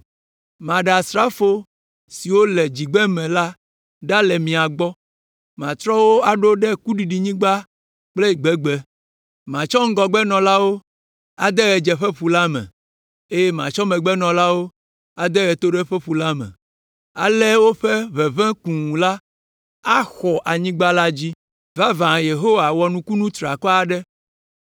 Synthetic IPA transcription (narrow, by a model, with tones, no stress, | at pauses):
mã˨ɖɛ˨a˨sɾa˦fo˦ | si˨wo˦lɛ˨d͡ʑi˨ɡ͡bɛ˦mɛ̃˨la˦ | ɖa˦lɛ˨mĩ˨a˨ɡ͡bɔ˦ | mã˨t̪ɾɔ˦wo˦a˨ɖo˦ɖɛ˦ku˦ɖi˨ɖi˨ɲĩ˦ɡ͡ba˦ | k͡ple˦i˨ɡ͡bɛ˦ɡ͡bɛ˦ | mã˨t͡ʃɔ˦ŋ̩˦ɡɔ˨ɡ͡bɛ˦nɔ̃˨la˦wo˦ | a˨d̪ɛ˦ɣɛ˨d͡ʒɛ˨ɸɛ˦ɸu˨la˦mɛ̰̃˨ | e˦jɛ˦mã˨t͡ʃɔ˦mɛ̃˨ɡ͡bɛ˦nɔ̃˨la˦wo˦ | a˨d̪ɛ˦ɣɛ˨t̪o˦ɖɛ˦ɸɛ˦ɸu˨la˦mɛ̰̃˨ | a̰˨lɛ˦wo˦ɸɛ˦βɛ˨vɛ̃˦kũ˨ŋ˨la˦ | a˦xɔ˨ʔa˨ɲĩ˦ɡ͡ba˦la˦d͡ʑi˦ | va˦vã˨je˨ɦo˦wa˨wɔ˨nũ˨ku˦nũ˦t̪ɾa˨kɔ˦a˨ɖɛ˦